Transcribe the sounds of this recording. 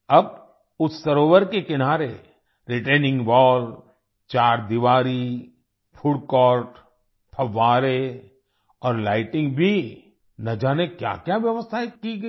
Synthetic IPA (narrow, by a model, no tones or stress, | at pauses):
ɐb | ʊt̪səɾoːʋəɾkekɪnaːɾe | ɾɪʈenɪ̃ŋɡʋɔːl | t͡ʃaːɾd̪iʋaːɾi | pʰʊɽkɔːɾʈ | pʰɐʋːaːɾe | ɔːɾlaːɪʈɪ̃ŋɡbʱi | nɐd͡ʒaːnekja̰kjaʋjəʋəst̪ʰaekiɡ